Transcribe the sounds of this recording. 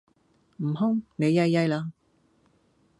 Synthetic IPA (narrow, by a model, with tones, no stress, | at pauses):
m̩˨˩ɦʊ˥ŋne˨˧jɐ˧jːɐ˧jlaː˧